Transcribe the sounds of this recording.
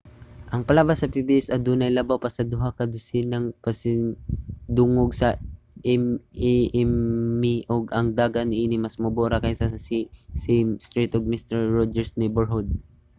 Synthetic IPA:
ʔɐŋpɐlaːbasɐpibiʔɛsɐd̪uːnɐjlɐbawpɐsɐd̪ʊɦakɐd̪ʊsɪnɐŋpɐsɪŋd̪ʊŋoɡsɐ | ʔɛmɛʔɛmːɪʔoɡɐŋd̪aːɡanɪʔiːnɪmɐsmʊboɾakɐjsasisɪst̪ɹit̪oɡ̚mist̪ɛɹɹod͡ʒɛɹsnɛjbɛɹɦʊd̪̚

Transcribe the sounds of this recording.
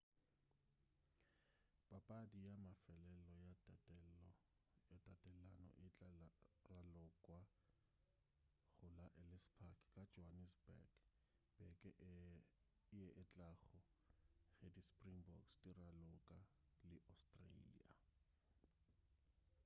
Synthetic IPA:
pʼapʼadijamafɛlɛlɔjaɛ | ɪtʼatʼɛlanɔ̰ʔɪ | ralʊkʼwa | ɣʊlaʔɛlɛspʰakʰkʼad͡ʒɔanisbɛ̰ɡ | b̥ɛkʼɛʔ | ɪjɛʔɪt͡ɬʼaɣɔ | ɣedispʼriŋbɔksdiralʊkʼalɪʔastʼrḛlḭa̰

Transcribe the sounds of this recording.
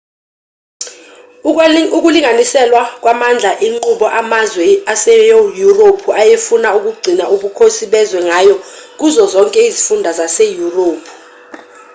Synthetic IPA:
uk̬uliŋʱanisɛlwak̬ʼwamand͡ɮʱaʔiŋ͡ǃuɓɔʔamazwɛasɛjojuropʰuʔajefunauk̬uɡ͡ǀʱinaʔuɓukʰosiɓɛzwɛŋaːjɔk̬uzɔzɔŋkʼɛizifundʱazasɛjuroːpʰu̥

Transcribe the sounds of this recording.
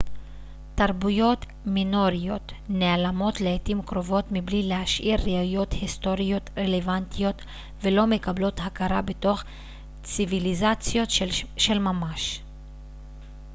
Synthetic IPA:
t̪aɾbujo̞t | mino̞ɾijo̞t̪nealamo̞tleetimkɾo̞vo̞t̪miblileaʃʔiɾːiaujo̞thist̪o̞ɾijo̞t̪ɾelevantijo̞t̪ | velo̞me̞kablo̞thakaɾabeto̞χ | t͡sivilizat͡sjo̞tʃe̞lmamaʃ

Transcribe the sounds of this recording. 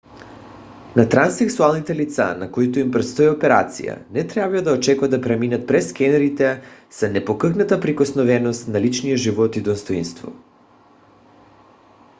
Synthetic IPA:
nat̪ɾansɛksualˠnit̪ɛlit̪sa̰nakoit̪oimpɾɛt̪st̪oiopɛɾa̰t̪sḭja̰nɛt̪ɾabiad̪aot͡ʃɛkuvad̪apɾɛminat̪̚pɾɛskʲɛnɛɾit̪ɛsanɛpokəxnat̪apɾikosnovɛnost̪nalit͡ʃnijaʒivɔt̪id̪ost̪oinst̪vɔ̰

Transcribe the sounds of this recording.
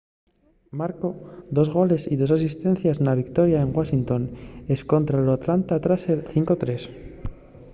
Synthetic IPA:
maɾkoðo̞zɣo̞le̞siðo̞sasist̪ẽ̞n̟θjaznaβikt̪o̞ɾjaeŋɡwaʃint̪o̞nesko̞nt̪ɾaloat̪lant̪at̪ɾaseɾθiŋkot̪ɾe̞s

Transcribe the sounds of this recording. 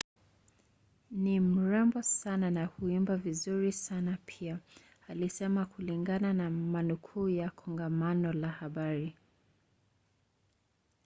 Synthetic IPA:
nim̩ɾɛmbɔsananahuimbavizuɾisanapʰia | alisɛmakʰuliŋɡananamanukʰuːjakʰɔŋɡamanɔlahaɓaɾi

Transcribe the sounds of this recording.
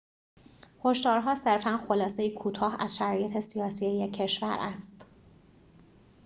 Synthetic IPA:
ho̞ʃd̪ɒːɾɦɒːse̞ɾfænxo̞lɒːse̞jikʰuːt̪ʰɒːhæ̰zʃæɾɒːje̞t̪ʰe̞sijɒːsije̞jecʰːe̞ʃvæ̰ɾʔæst̪

